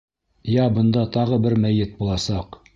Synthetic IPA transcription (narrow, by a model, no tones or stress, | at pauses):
jæbɤ̆nd̪ɑt̪ɑʁɤbɘɾmæjɘt̪̚bulˠɑsɑq